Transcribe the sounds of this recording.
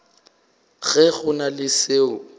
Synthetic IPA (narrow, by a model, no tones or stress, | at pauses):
ɣɛɣʊnalɪseːʊ